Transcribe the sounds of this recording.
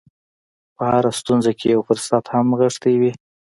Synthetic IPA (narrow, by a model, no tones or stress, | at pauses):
pəhaɾast̪unzakʰejawfʊɾsat̪hamɣəʂt̪awi